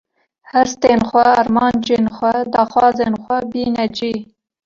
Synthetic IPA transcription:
hæɾst̪eːnxʷɛːɾmɑːnd͡ʒeːnxʷɛd̪ɑːxwɑːzeːnxʷɛbiːnɛd͡ʒiː

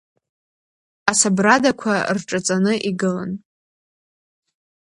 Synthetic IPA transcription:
asabradakʷʰarʈ͡ʂʼat͡sʼanɨʔiɡɨla̰n

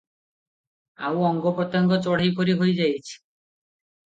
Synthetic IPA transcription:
a̰wɔŋɡɔpɾɔt̪ːɔŋɡɔt͡ɕɔɽ̤ajkoɾiɦojd͡ʑajt͡ɕʰi̥

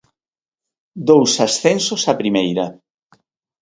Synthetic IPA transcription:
d̪owsasθensosapɾimejɾɐ

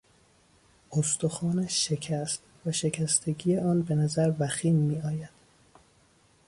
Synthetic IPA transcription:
ost̪oxɒːnæʃːecʰæst̪ | væʃe̞cʲʰæst̪ʰe̞ɟijeɒːnbe̞næzæɾvæxiːnmiːɒːjæd̪̥

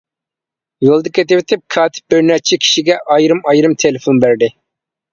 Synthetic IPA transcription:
jolˠd̪əkʲʰet̪ɪvɪt̪ʰɪp̚kʰɑːt̪ʰɪ̥p̚bɪɾnɛt͡ʃʰɛkʲʰi̥ʃiɡʲɛʔɑjɾɨmɑjɾɨmt̪ʰelɪfonbæɾd̪ɪ

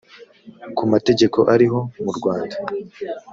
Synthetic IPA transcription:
kumate̞ɟe̞ko̞ʔaɾiɦo̞muɾɡwaːnda

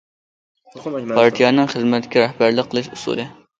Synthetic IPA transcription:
pʰɑɾt̪ʰijɑːnɨŋχəzmɛt̪kʲɛɾæhbæɾləqʰːəlˠɨʃusṵlɨ

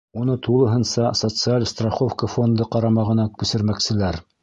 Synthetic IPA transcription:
unɤt̪ʰulˠɤ̆ɦɤnsɑsot̪sɨalʲst̪raχofkəfo̞nd̪ɤqɑɾɑmɑʁɤ̆nɑkɵsɘ̆ɾmæksɘ̆læɾ

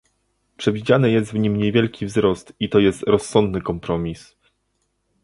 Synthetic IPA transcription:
pʂɛvʲid͡ʑanɘjɛs̬t̪vɲimɲevʲjɛlkʲivzɾɔst̪it̪ɔjɛst̪ɾɔsːɔnd̪nɘkɔmpɾɔmʲis

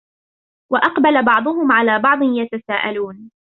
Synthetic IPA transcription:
waʔɑqbalabɑʕd̪ˤʊɦʊmʕalaːbɑʕd̪ˤɨnjat̪asaːʔa̰luːn

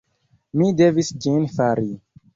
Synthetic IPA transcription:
mide̞visd͡ʒinfaɾi

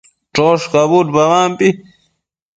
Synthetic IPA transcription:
ʈ͡ʂoːʂkabuːʈ̪bɐwaːmpi

